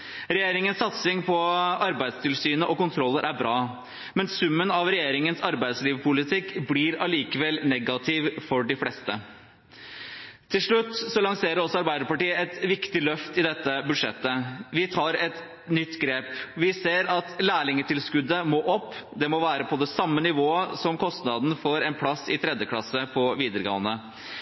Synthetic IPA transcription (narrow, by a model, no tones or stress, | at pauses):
ɾɛjeːɾɪŋənsːɑt̪sɪŋpʰɔɑɾbæɪst̪ʰɪlsyːnəʔɔkʊnt̪ʰɾɔlːəɾʔæɾbɾɑː | mɛnsʉmːənɑʋɾɛjeːɾɪŋənsɑɾbæɪsliːʋpʰʊlɪt̪ʰɪkːblɪɾɑliːkəʋɛlnɛɡɑt̪ʰɪʋfɔɖɪflɛst̪ə | t̪ʰːɪlʂɭʉt̪ːsɔlɑŋseːɾəɾɔsːɔɑɾbæɪd̪əɾpɑʈiːəɛt̪ʋɪkt̪ɪlœft̪ɪd̪ɛt̪ːəbʉd̪ʂɛt̪ːəʋɪt̪ʰɑːɾɛt̪ | nʏt̪ːɡɾeːpʋɪseːɾɑt̪læːɭɪŋət̪ʰɪlskʉd̪əmɔʔɔpːd̪ɛmɔʋæːɾəpʰɔd̪ɛsɑmːənɪʋoːəsɔmkʰɔst̪nɑd̪n̩fɔɾɛɪnpʰlɑsɪt̪ʰɾɛd̪jəklɑsːəpʰɔʋiːd̪əɾɡɑ̰ːənə